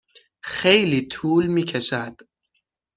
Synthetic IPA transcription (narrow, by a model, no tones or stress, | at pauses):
xejliːt̪ʰuːlmiːcʰeʃæd̪̥